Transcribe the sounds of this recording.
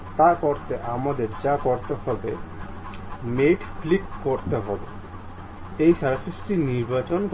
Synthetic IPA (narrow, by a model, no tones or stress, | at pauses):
t̪aɾkɔɾt̪eʔamad̪eɾd͡ʑakɔɾt̪ehɔbe | meʈflikkoɾt̪eɦɔbe | ejʃaɾafesʈiniɾbat͡ɕonk